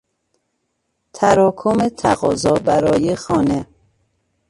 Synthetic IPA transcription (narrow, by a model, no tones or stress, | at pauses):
t̪ʰæɾɒːkʰomet̪ʰæ̰ɣɒːzɒːbæɾɒːjexɒːne